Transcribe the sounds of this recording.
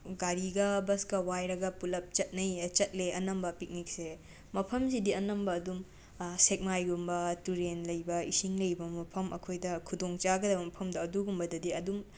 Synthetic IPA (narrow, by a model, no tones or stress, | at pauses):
ɡaɾiɡɐbɐskɐwajɾɐɡɐpulɐp̚t͡ʃɐt̚nɐjt͡ʃɐt̚leʔɐnɐmbɐpik̚nik̚se | mɐpʰɐmsidiɐnɐmbɐːdum | sek̚majɡumbɐtuɾenlɐjbɐisiŋlɐjbɐmɐpʰɐmʔɐ̰kʰojdɐkʰudoŋt͡ʃaɡɐdɐbɐmɐpʰɐmdɐːduɡumbɐdɐdiɐdum